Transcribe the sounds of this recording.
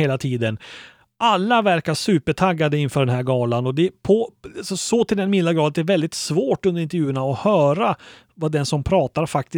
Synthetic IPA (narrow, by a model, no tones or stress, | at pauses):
eːlat̪ʰiːd̪ən | ʔalːavæɾkaʂʉːpəʈʰaɡːad̪əɪnːfœːɖɛnɦæɾɡɑːlanɔd̪ɛpʰɔasɔsɔt̪ʰɪld̪ɛnmɪnːaɡɾɑːd̪ət̪ɛɾvɛld̪ɪt̪svoːʈɵnd̪əɾɪnt̪əɾjʉ̟ːəɳaɔhœːɾa | vad̪ɛnsɔmpʰɾɑːt̪aɾfak̚t̪ɪ